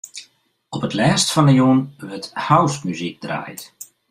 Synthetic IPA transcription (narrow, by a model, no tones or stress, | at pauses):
ɔpətlɛːstfɑndəjuənʋəthawstmyzik̚d̥ra̰ːjt